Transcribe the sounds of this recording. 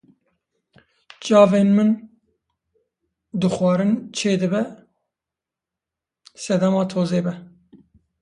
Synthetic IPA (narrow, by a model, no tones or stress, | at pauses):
t͡ʃɑːveːnmɨn | d̪ɨxwɑːɾɨnt͡ʃʰeːd̪ɨbɛ | sɛd̪ɛmɑːt̪ʰoːzeːbɛ